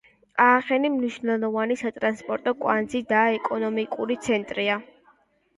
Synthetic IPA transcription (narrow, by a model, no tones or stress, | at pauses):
aːχɛnimniʃnɛlˠɔvanisat̪ʼɾanspʼɔɾt̪ʼɔkʼwand̪zid̪aɛkʼɔnɔmikʼuɾit̪sʰɛnt̪ʼɾia